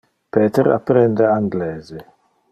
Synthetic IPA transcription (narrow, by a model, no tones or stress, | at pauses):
pɛːt̪eɾa̰pːɾɛnd̪eaŋɡlɛːze